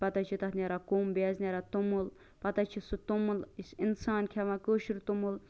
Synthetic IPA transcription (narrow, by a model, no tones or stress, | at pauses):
pɐt̪at͡ʃʰit̪ɐt̪nʲeɾakuːmbeːznʲeɾat̪umul | pɐt̪at͡ʃʰisut̪umulisinsaːnkʰeʋãkoːʃiɾt̪umul